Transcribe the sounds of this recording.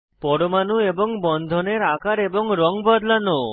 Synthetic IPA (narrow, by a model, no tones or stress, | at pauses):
pɔɽomanuebɔŋbɔnd̪ʱɔneɾakaɾebɔŋɾɔŋbɔd̪lano